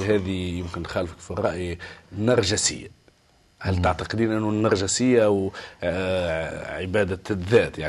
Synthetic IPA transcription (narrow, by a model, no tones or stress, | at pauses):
ɦæːðijɪmkɪnːxæːlfə̥kfirˤːɑʔjinːɑɾˤʒasɪ̰jːa | hælt̪aʕt̪ɑqd̪iːnʔɪnːunːɑɾˤʒasɪjːaʔw | ʕɪbæːd̪aðːæːt̪jaʕ